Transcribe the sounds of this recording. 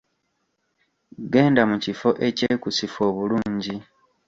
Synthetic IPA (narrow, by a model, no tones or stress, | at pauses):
ɡe̞ːndamucifo̞ʔe̞ceːkusifo̞ːβuluːɲɟi